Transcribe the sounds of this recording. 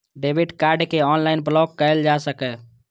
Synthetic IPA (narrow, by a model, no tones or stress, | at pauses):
ɖebʱiɖkaɾɖkeɔnlaɪnblɔɡkːəjld͡ʒasəkɛ